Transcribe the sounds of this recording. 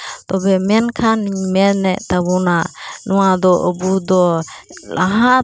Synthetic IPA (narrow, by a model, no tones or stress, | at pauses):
t̪ɔbɛmɛnkʰanmɛnːɛʔt̪abɔnanɔwad̪ɔʔəbud̪ɔ | laɦa